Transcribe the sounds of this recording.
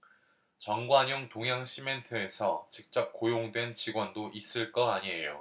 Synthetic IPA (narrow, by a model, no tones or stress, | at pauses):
t͡ɕʌŋɡwaɲoŋtoŋjaŋɕʰime̞ntʰɯe̞sʰʌt͡ɕik̚t͡ɕ͈ʌp̚k͈ojoŋdwe̞nt͡ɕiɡwʌndoʔis͈ɯɭk͈ʌaɲiɦe̞jo̰